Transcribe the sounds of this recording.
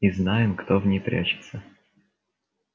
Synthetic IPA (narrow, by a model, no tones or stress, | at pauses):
iznajɪmkt̪ovnʲejpɾʲʔæ̰t͡ɕɪ̥t̪sə